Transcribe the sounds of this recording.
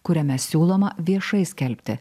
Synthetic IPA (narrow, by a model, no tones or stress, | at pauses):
kʊɾʲɛmʲɛsʲuːlˠoːmɐʋʲiɛʃɐɪsʲkʲɛlʲpʲt̪ʲɪ